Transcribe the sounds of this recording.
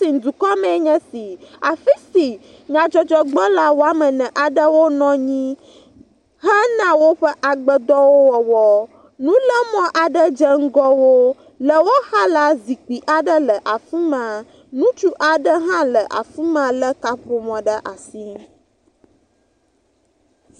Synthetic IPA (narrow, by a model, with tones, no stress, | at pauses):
si˨ŋ˨d̪u˨kɔ˦mɛ̃˦ɲɛ̃˦si˨a˨fi˦si˨ | ɲã˨t͡ʃɔ˦t͡ʃɔ˦ɡ͡bɔ˦la˨wo˦a˦mə̃˨nɛ̃˨ʔa˨ɖə˦wo˦nɔ̃˦ɲĩ˦ | ɦɛ˦nã˦wo˦ɸə˦ʔa˨ɡ͡bə˦d̪ɔ˦wo˦wɔ˨wɔ˨ | nũ˦lə˦mɔ̃˦ʔa˨ɖə˦d͡ʒə˦ŋ̩˦ɡɔ˦wo˦ | lə˨wo˦ha˦la˦zi˨k͡pi˨ʔa˨ɖə˦lə˨ʔa˨fi˦mã˨ | nũ˦t͡ʃu˦ʔa˨ɖə˦ɦã˦lə˨ʔa̰˨fu˦mã˨lə˦ka˦ɸo˨mɔ̃˨ɖə˦ʔa˨si˦